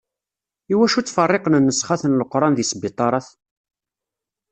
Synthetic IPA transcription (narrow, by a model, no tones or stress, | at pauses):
iwæʃut͡sːfɑrˤːeqənnːəsχaθənləqɾˤɑnðisbit̪ˤːɑɾˤɑθ